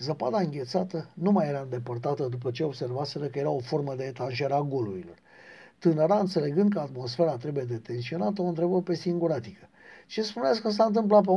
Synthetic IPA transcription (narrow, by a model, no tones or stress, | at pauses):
zəpad̪aɨŋɡʲe̞t̪sat̪ənumajeɾaɨnd̪e̞pərt̪at̪əd̪upət͡ʃeo̞bse̞rvase̞ɾəkəje̞ɾao̞fo̞rməd̪eet̪anʒeɾeaɡo̞luɾilo̞̰r | t̪ɨnəɾaɨnt̪se̞le̞ɡɨnd̪kəat̪mo̞sfe̞ɾat̪ɾebuje̞d̪e̞t̪e̞nsio̞nat̪əo̞nt̪ɾe̞bəpe̞siŋɡuɾat̪ikə | t͡ʃe̞spunas̬kəs̬aɨnt̪ɨmplap̬e